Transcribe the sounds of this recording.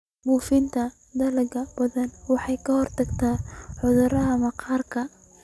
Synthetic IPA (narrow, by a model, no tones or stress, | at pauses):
buːfɪnt̪ʰɐ | d̪ɐlɐɡɐbɐðɐnwɑħɑjkʰɐhɔrt̪ʰɐɡt̪ʰaːħʊðʊɾɐɦɐmɐqɑːrkʰɐ